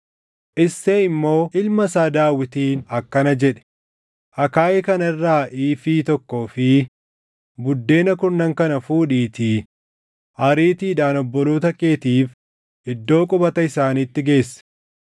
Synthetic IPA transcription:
ʔɪsːeɪmːo̞ːʔɪlmɐsaːd̪aːwɪt̪iːnɐkːɐnɐd͡ʒɛᶑɛ̥ | ʔɐkaːjɛkɐnɐɪrːaːʔiːfiːt̪ɔkːo̞ːfɪ | bʊd̪ːe̞ːnɐkʊnɐŋkɐnɐfuːᶑiːt̪i | hɐɾiːt̪iːᶑaːnɔbːɔluːt̪ɐkʼeːt̪iːf | ɪd̪ːo̞ːkʼʊbɐt̪ɐɪsaːniːt̪ːɪɡe̞ːsːɐ̥

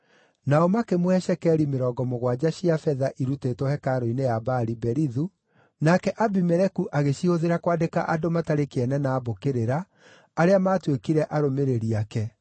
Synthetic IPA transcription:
naɔmakemwɛʃɛkɛɾimeɾɔːɡɔmoɣwad͡ʑaɕiafɛðaʔiɾutetwɔhɛkaɾoinejabaɾibɛɾiðu | nakɛʔabimɛɾɛkuʔaɣeɕihoðeɾakwaːdekaʔadomataɾekeɛnɛnaːbokeɾeɾaː | ɾeamaːtwekiɾɛʔaɾomeɾeɾiakɛ

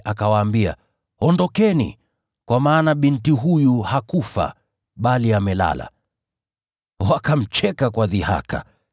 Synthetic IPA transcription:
ʔakawaːmbia̰ | ɔndɔkɛnḭ | kwamaːnaɓintiɦujuhakufa̰ | ɓaliamɛla̰la̰ | wakam̩t͡ʃɛkakwaðiha̰kʰa̰

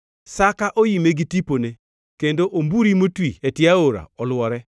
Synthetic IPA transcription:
sakaʔojimeɡitipone | kendoʔombuɾimotwiɛtɪaoɾa̰ɔlwɔɾɛ

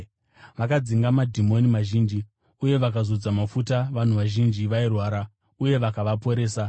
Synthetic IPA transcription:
ʋakad͡ziŋɡamadʱimo̞nimaʒiːnd͡ʒi | uje̞ʋakazo̞d͡zamafutaʋan̤uʋaʒind͡ʒiʋairwaːɾa | uje̞ʋakaʋapo̞ɾe̞ːsa

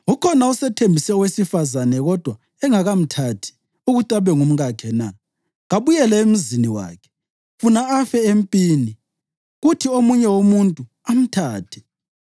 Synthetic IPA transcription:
ukʰɔnausɛtʰembʱisɛwesifazanɛɣɔd̥ʱwa | ɛŋaɣam̩tʰatʰi̥ | uɣutʼaβɛŋum̩ɣakʰɛna | ɣaβujɛlɛem̩ziniwa̰ːkʰɛ̥ | funaafɛempʼiːni | ɣutʰiomuɲɛwomuntʼu | am̩tʰaːtʰɛ̥

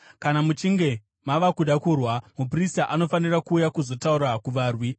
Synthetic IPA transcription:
kanamut͡ʃiŋɡe̞ | maʋakuɗakurwamup̬ristaʔano̞fanirakuːjakuzo̞tauɾakuʋaːrwi

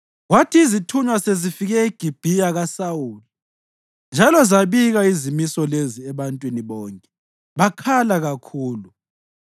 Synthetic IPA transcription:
watʰiːzitʰuɲwasezifiɣɛiɡ̥ʱib̥ʱiaɣasawuːli | nd͡ʒʱalɔzaβiɣaizimisɔleziɛβantʼwiniβɔːŋkʼɛ | βakʰalaɣakʰuːlu

